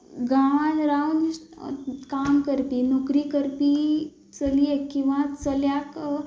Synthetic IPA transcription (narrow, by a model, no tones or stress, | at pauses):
ɡanɾawn | kaːmkəɾpinokɾikəɾpi | t͡səliekĩʋãt͡səljak